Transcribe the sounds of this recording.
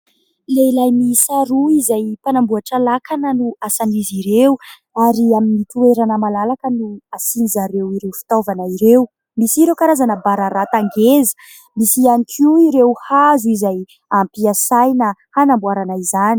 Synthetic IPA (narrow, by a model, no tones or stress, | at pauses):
leilajmisaɾuizajpanambuaʈ͡ʂalakʰanənuasaniziɾewu | aɾiaminit̪ueɾanəmalalakənuasinizaɾewiɾewfi̥t̪ovanaiɾew | misiɾewkaɾazanəbaɾaɾat̪aŋɡezə̥ | misianikʰiuiɾewhazuizaj | ampiasajnəhanambuaɾanaizani̥